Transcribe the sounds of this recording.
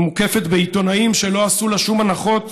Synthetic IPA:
muke̞fe̞t̪beit̪o̞naimʃe̞lo̞asulaʃumanaχo̞t̪

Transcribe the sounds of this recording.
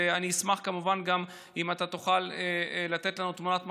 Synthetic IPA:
aniismaχkamuvanɡam | imat̪at̪uχalelat̪e̞t̪lanut̪munat̪m

